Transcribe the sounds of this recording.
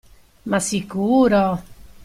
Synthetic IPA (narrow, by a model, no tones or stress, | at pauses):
masikuːɾo